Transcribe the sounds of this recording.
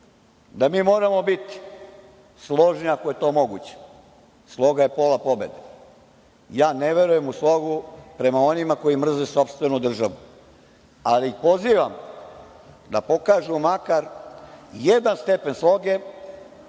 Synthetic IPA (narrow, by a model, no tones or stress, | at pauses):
d̪amiːmo̞ːɾamo̞bit̪i̥ | slˠo̞ʒniakoje̞t̪o̞ːmo̞ɡut͡ɕe̥ | slˠo̞ɡaje̞po̞ːlapo̞be̞̰d̪e | jaːneʋe̞ɾuje̞muslˠo̞ɡupɾe̞mao̞nimako̞jimr̩zeso̞pst̪ʋe̞nud̪r̩ʒaʋu | aliixpo̞ziːʋam | d̪apo̞kaːʒumakaɾ | jed̪anst̪e̞pe̞nslˠo̞ɡe̞